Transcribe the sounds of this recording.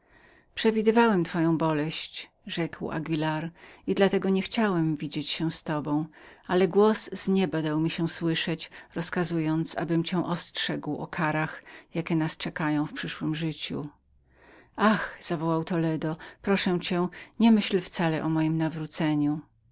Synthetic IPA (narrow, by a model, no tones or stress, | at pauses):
pʂɛvʲid̪ɘvawɛmt̪fɔjɔ̃w̃bɔlɛɕt͡ɕ | ʐɛkwa̰ɡʲilaɾid̪lat̪ɛɡɔɲɛxt͡ɕawɛmvʲid͡ʑet͡ɕɕɛwst̪ɔbɔ̃w̃alɛɡwɔszɲɛbad̪awmʲiɕɛw̃swɘʂɛt͡ɕɾɔskazujɔnt̪sa̰bɘmt͡ɕɛ̃w̃ʔɔstʂɛɡwɔ̰kʰaɾaxjakʲɛnast͡ʂɛkajɔ̃w̃fpʂɘʂwɘmʐɘt͡ɕṵ | axz̥avɔwawt̪ɔlɛd̪ɔpɾɔʂɛw̃t͡ɕɛ̃ɲɛmɘɕlft̪salɛʔɔmɔjimnavɾut̪sɛɲu